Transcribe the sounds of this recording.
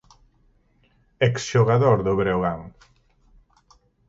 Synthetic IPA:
eksʃoɣaðoɾðʊβɾewɣaŋ

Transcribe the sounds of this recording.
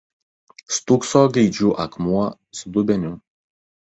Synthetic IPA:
st̪ʊksoːɡʲɛɪd͡ʒʲuːʔɐkmuɔ | sd̪ʊbʲɛnʲʊ

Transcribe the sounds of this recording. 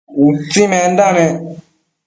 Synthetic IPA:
utĩmɛndanɛ̃

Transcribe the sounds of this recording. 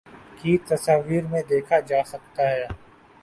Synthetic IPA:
kit̪ɐsaːʋiːɾmẽd̪eːkʰad͡ʒaːsɐk̚t̪aɦɛː

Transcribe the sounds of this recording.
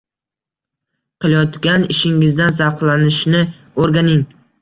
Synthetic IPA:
qʰɨlˠjɒt̪ɡʲanɪʃɪŋɪzd̪ans̬ɑqlˠanɪʃnɪ | oɾɡʲanɪŋ

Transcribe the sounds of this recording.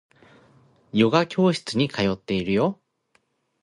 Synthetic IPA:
jo̞ɡakʲo̞ːɕi̥t͡sɨɲ̟ikʰajo̞t̪ːe̞iɾɯ̟jo̞

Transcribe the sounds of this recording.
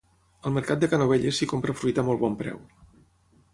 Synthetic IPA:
əlˠməɾkat̪̚d̪əkanoβ̞eʎəsikompɾəfɾuit̪əmɔlˠβɔmpɾɛ̰w

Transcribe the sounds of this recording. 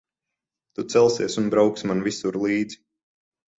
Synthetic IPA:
t̪ut̪sɛlˠsiɛsunbɾawksmanvisuɾlˠiːd̪z̥i̥

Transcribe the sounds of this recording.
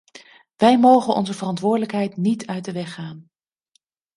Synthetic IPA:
ʋɛjmowχənʔɔ̰nzəvərɑntʋʊːɹdələkɦɛjtnitʰœɥ̚dəʋɛχaːn

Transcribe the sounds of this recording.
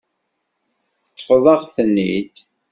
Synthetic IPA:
θət̪ːfðˤɑʁθənːḭd̪

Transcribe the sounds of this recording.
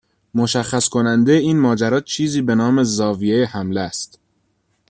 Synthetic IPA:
moʃæxːæskʰo̞nænd̪eeiːnmɒːd͡ʒæɾɒːt͡ʃʰiːziːbe̞nɒːme̞zɒːvijejehæmleæst̪

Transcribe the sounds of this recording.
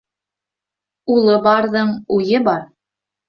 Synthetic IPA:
ulˠɤbɑɾðɤɴujɤbɑɾ

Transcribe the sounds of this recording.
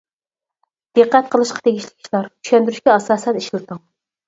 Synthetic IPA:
d̪̥ɨqːæt̪̚qʰəlˠɨʃqʰɑ̥t̪ʰeɡʲiʃlɪ̥kʲʰi̥t͡ʃlˠɑɾt͡ʃʰy̥ʃʲɛnd̪yɾyʃkʲɛɑsɑːsɛniʃlˠɨt̪ɨŋ

